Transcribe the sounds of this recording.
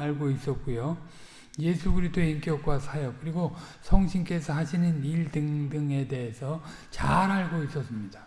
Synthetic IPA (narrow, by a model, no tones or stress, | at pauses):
aɭɡois͈ʌt̚k͈ujo | je̞sʰuɡɯɾistʰoeimk͈jʌk̚k͈wasʰajʌp̚k͈ɯɾiɡosʰʌŋɕʰink͈e̞sʰʌhaɕʰinɯniɭdɯŋdɯŋe̞de̞ɦesʰʌ | t͡ɕaɾaɭɡois͈ʌs͈ɯmɲid̥a